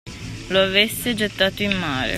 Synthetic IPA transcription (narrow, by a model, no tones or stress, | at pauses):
loavesːed͡ʒet̪ːaːt̪oimːaːɾḛ